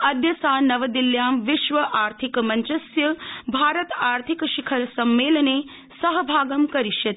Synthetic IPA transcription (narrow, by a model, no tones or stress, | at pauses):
ɐd̪jɐsaːnɐʋɐd̪iljaːmʋiʃʋɐʔaːɾt̪ʰikɐmɐɲt͡ʃɐsjɐbʱaːɾɐt̪aːɾt̪ʰikɐʃikʰɐɾɐsɐmːeːlɐneː | sɐɦɐbʱaːɡɐmkɐɾiʃjɐt̪